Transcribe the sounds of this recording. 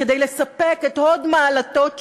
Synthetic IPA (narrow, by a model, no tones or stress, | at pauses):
ed̪ejlesapeket̪o̞dmaːlat̪o̞t